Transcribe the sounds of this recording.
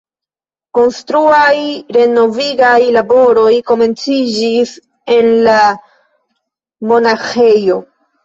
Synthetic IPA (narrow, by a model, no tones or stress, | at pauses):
ko̞nstɾuajɾe̞no̞viɡajlabo̞ɾo̞jko̞me̞nt͡sid͡ʒis | e̞nla | mo̞naxe̞jo̞